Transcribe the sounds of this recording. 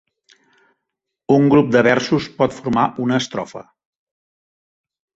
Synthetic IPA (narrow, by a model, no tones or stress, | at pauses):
uŋɡɾup̚d̪əβɛɾsuspɔt̪fuɾmaʔunəːst̪ɾɔfə̰